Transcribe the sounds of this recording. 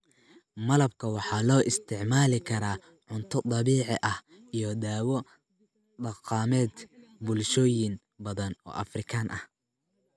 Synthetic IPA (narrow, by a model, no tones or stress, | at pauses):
mɐlɐb̚kʰɐwɑħɑːlɔːʔɪst̪ʰɪʕmaːlɪkʰɐɾaː | ʕʊnt̪ʰɔt̪ˤɑβiːʕɪʔɐh | ijɔd̪aːwɔ | d̪ɑqɑːmɛːd̪bʊlʃɔːjɪn | bɐðɐnɔ̰ːʔɐfrɪkʰaːnʔɐh